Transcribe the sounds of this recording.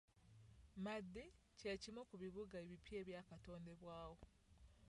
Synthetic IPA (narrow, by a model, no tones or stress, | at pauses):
madːe | cecimokuβiβuɡaeβipjeːβjaːkato̞ːndeβwaːwo